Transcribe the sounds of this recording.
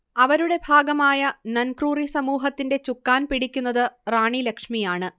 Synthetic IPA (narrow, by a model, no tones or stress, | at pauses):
ɐʋɐɾuɽe̞bʱaːɡɐmaːjɐnɐnkruːrisɐmuːɦɐt̪ːinde̞t͡ɕukːaːnpiɽikʲːunːɐðɨraːɳilɐkʂmijaːɳɨ